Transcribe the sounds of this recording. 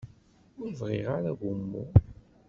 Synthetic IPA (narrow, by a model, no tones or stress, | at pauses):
ʊɾvʁɪʁaɾæɡʊmːṵ